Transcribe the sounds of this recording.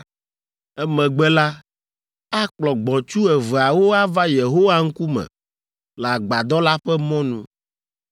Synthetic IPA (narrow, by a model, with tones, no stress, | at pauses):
ɛ˦mɛ̃˨ɡ͡bɛ˦la˦ | a˦k͡plɔ˨ɡ͡bɔ˨t͡ʃu˦ɛ˨vɛ˨a˨wo˦a˦va˦je˨ɦo˦wa˦ŋ̩˦ku˦mɛ̰̃˨ | lɛ˨a˨ɡ͡ba˨d̪ɔ˦la˦ɸɛ˦mɔ̃˦nũ˦